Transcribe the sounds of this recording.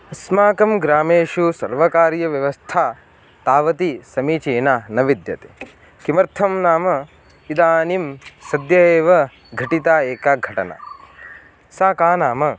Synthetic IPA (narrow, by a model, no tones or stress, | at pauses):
ɐsmaːkɐmɡɾaːmeːʃusɐ̰ɾʋɐkaːɾjɐʋjɐʋɐst̪ʰaː | t̪aːʋɐt̪isɐmiːt͡ʃeːnaːnɐʋid̪jɐt̪e̥ː | kimɐɾt̪ʰɐmnaːmɐ | id̪aːnimsɐd̪jɐeːʋɐ | ɡʱɐʈit̪aːeːkaːɡʱɐʈɐ̰na̰ | saːkaːnaːmɐ